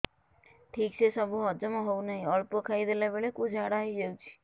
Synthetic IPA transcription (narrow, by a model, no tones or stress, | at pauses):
ʈʰiːk̚t͡ʃʰesɔbʱuɦɔd͡ʒmãɦoũnəɦĩɔɭpokʰaid̪ʱelabeɭekud͡ʒʱaɽaid͡ʒeũt͡ʃʰi̥